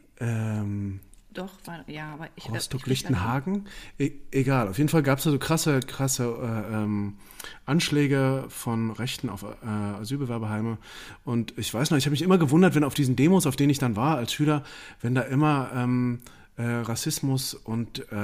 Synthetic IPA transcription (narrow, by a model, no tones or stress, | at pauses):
ʔɛːmd̥ɔjaʁɔstɔklɪçtn̩ɦaːɡŋ̩ʔʔeɡaːlʔaʊfjeːdn̩falɡaːpəsd̥aːzoːkʁ̥asəkʁ̥asəʔɛːʔɛːm | ʔanʃlɛːɡəfɔnʁɛçtn̩a̰ʊfʔɛːazyːlbəvɛɐbɐɦaɪməʔʊntɪçv̥aɪsnɔχɪçhaːbəmɪçʔɪmɐɡəvʊndɐtvɛnaʊfd̥iːzn̩deːmosaʊfd̥eːnɪçd̥anvaːɐalsʃyːlɐvɛndaːʔɪmɐʔɛːm | ʔɛːʁasɪsmʊsʔʊntɛ